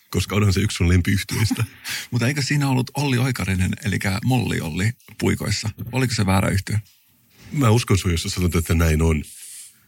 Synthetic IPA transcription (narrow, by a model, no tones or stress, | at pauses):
koskɑonhɑnseykssunlempiyht̪yeist̪æmut̪eikøssiːnæolːut̪olːio̞jkɑrinene̞̰lḭkæmolːḭo̰lːipuiko̞̰jsːɑolikoseʋæːɾæ̰yht̪e | mæːuskonsujosɑsɑnot̪ːet̪ːænæinon